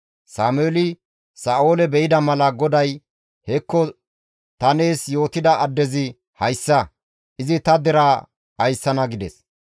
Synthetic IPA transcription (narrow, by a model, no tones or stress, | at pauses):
saːmʊeːlɪ | saːoːlɛbɛjɪd̪ɐmɐlɐɡɔd̪ɐj | hɛkːɔ | t̪ɐne̞ːsjo̞ːt̪ɪd̪ɐɐd̪ːɛzɪ | hɐjsːɐ | ʔɪzɪt̪ɐd̪ɛɾa | ɐjsːɐnɐɡɪd̪ɛs